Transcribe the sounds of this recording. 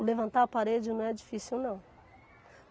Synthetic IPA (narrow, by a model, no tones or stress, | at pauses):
levɐ̃nt̪aɾɐpaɾed͡ʒɪnɐ̃w̃ɛd͡ʒifisiwnɐ̃w̃